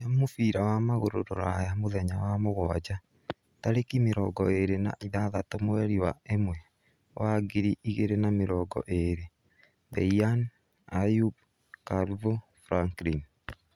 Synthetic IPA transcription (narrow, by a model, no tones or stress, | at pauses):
ɲamofiɾawamaɣoɾoɾoɾajamoðɛɲawamoɣɔad͡ʑa | taɾekimeɾɔɡɔeɾena̰ʔiðaðatomoɛɾiwa̰emwɛ | waɡiɾiʔiɣeɾenameɾɔːɡɔ̰ʔeɾe | bɛian | ajub̚ | kalvo | fɾaŋkɾin